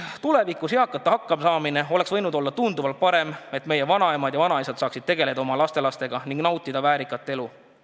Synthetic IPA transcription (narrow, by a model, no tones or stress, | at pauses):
t̪ule̞vikːˑuseɑkːˑɑt̪ːˑɑhɑkːɑmsɑːmine̞o̞le̞ksvɤ̞jnud̪o̞lːɑt̪und̪uvɑlt̪̚pɑɾe̞me̞t̪me̞je̞vɑnɑemɑd̪jɑvɑnɑisɑd̪̥sɑːksid̪̥̚t̪eɡ̥e̞le̞d̪ɑomɑlɑst̪e̞lɑst̪e̞ɡ̥ɑniŋɡ̥nɑwt̪ːˑid̪̥ɑvæːɾikːˑɑt̪ːˑe̞lu